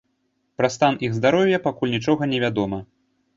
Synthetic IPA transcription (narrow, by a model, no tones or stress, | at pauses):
pɾɐst̪anʔiɣzd̪aɾɔwjɐpakulʲnʲit͡ʂɔɣɐnʲɛvʲad̪ɔmɐ